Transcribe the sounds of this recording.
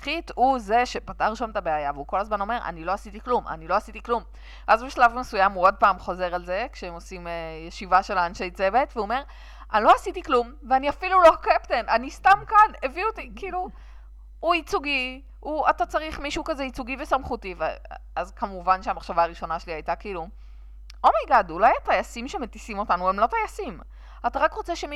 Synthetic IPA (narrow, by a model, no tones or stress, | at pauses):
χituze̞ʃe̞pataʁʃametabe̞ajaveuko̞lazmano̞me̞ʁʔa̰nilo̞asitiklumʔa̰nilo̞asitiklum | ʔazbeʃlavmesujamuod̚paːmχo̞ze̞ʁalze̞kʃeemo̞simejeʃivaʃe̞laːnʃe̞jt͡se̞ve̞tveuome̞ʁ | alo̞asitiklum | veaniafilulo̞keptenanistamkaneviotikiiluː | it͡suɡi | uatat͡saʁiχmiʃukazeit͡suɡivesamχutiveazkamuvanʃeamaχʃavaːʁiʃo̞naʃeliajtakiiːlu | o̞majɡadulajatajasimʃemetisimo̞tanuemlo̞tajasim | ataʁakʁo̞t͡seʃemi